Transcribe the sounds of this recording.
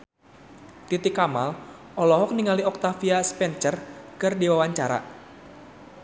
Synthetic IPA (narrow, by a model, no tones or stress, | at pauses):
t̪it̪ɪkama̰lʔɔlɔɦɔk̚niŋaliɔk̚t̪afiaspɛnt͡ʃərkɨrdiwawaɲt͡ʃaɾa̰